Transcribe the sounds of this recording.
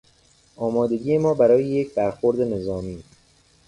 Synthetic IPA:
ʔɒːmɒːd̪e̞ɟiːjemɒːbæɾɒːjejecbæɾxoɾd̪e̞ne̞zɒːmiː

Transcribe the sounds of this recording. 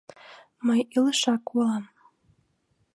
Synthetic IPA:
məjiləʃɑkwolˠɑm

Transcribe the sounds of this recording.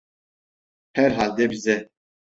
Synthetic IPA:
hɛɾɦald̪ɛbizɛ

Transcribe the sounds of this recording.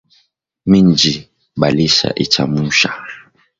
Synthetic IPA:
mind͡ʒi | ɓaliʃa̰ʔit͡ʃa̰muʃa

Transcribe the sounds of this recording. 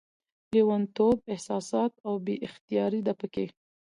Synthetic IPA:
liwant̪ob̚ɪhsɑsɑt̪̚awbeʔɪxt̪ijɑɾid̪apəke

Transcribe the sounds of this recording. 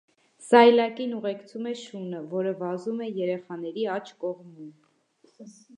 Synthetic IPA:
sɑjlɑkinuʁɛkt͡sʰumɛʃunəvɔɾəvɑzumɛjɛɾɛχɑnɛɾiɑt͡ʃʰkɔʁmum

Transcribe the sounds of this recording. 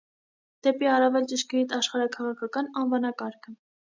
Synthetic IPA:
d̪̥ɛpiɑrɑvɛlt͡ʃəʃkɛit̪ʰɑʃχɑɾɑkʰɑʁɑkʰɑkɑnɑnvɑnɑkɑɾkʰə

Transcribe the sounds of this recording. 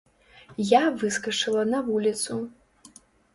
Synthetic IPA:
javɨskɐt͡ʂɨlˠɐnɐvulʲit̪su

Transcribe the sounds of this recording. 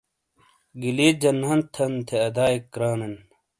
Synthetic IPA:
ɡileːd͡ʑɐnɦɐnt̪ʰɐnt̪ʰeɐd̪aːikːɾaːnen

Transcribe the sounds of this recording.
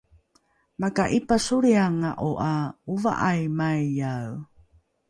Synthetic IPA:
makaʔipasuɾiaŋaʔoʔauva̰ʔajmajːaw

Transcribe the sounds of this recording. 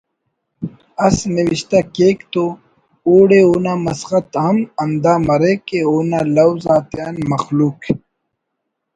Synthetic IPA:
ɐsniwiɕt̪akeːkt̪o | uːɽeuːnaːmɐsxɐt̪ɦɐmɐnd̪aːmɐɾekeoːnaːlɐwzaːt̪jaːnmɐxluːk

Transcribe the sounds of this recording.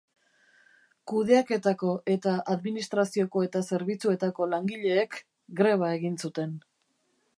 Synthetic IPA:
kuð̞e̞ake̞t̪ako̞ʔe̞t̪aʔaðminist̪ɾasio̞ko̞e̞t̪ase̞ɾβit͡sue̞t̪ako̞laŋɡiʎe̞ːk | ɡɾe̞β̞ae̞ɣinsut̪e̞n

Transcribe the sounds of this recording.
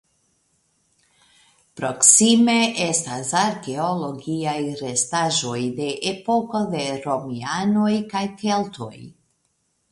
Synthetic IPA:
pɾo̞ksime̞e̞stasaɾke̞olo̞ɡiajɾe̞staʒo̞jde̞ʔepo̞ko̞de̞ɾo̞miano̞jkajke̞ltʰo̞̰j

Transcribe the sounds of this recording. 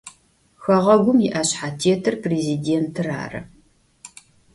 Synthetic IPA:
xɐʁɐɡʷʊmjɪʔaɕħaːtʰeːtʰɨrpreːzideːntʰɨra̰ːrɐ̰

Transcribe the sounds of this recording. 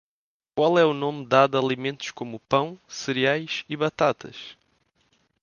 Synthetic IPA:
kwalˠɛunomd̪aðɐlˠimẽnt̪ʊ̥ʃkomupɐ̃w̃sɨɾiajʃiβɐt̪at̪ɐ̰ʃ

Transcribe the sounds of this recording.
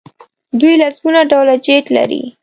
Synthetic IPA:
d̪ujlazɡunaɖawlad͡ʒeʈla̰ɾḭ

